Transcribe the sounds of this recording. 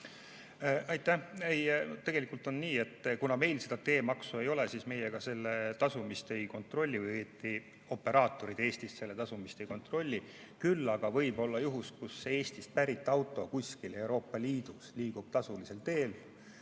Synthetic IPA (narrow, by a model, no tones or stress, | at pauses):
ɑjt̪ːæhejnt̪e̞ɡ̥e̞likˑult̪ˑo̞nːniːe̞t̪ːˑkunɑme̞jlse̞d̪ɑt̪e̞ːmɑksue̞jo̞lesiːsme̞jeɡ̥ɑse̞lːet̪ɑsumist̪e̞jko̞nt̪ˑro̞lʲːivɯjeːt̪ːˑi | o̞pːe̞ɾʔɑːt̪ːˑo̞ɾid̪̥e̞ːst̪ist̪se̞lːe̞t̪ɑsumist̪e̞jko̞nt̪ro̞lʲːi | kylːɑɡ̥ɑvɤ̞jbo̞lːɑjuɦuskusːee̞ːst̪ist̪̚pæɾit̪ːˑɑwt̪ˑo̞kusʲkile̞wɾo̞ːpːɑliːd̪̥usliːɡ̥ub̥̚t̪ɑsulise̞lt̪e̞ːl